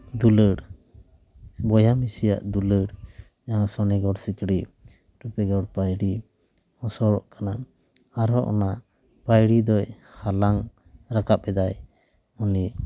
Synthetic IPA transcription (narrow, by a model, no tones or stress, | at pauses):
d̪uləɽ | bɔjamisija̰ʔd̪uləɽ | asɔnɛɡɔɽsikɽi | ɾupɛɡɔɽpajɽi | hɔsɔɾɔʔkana | aɾɔʔɔ̰na | pajɽid̪ɔj | halaŋ | ɾakap̚ɛd̪aj | ɔni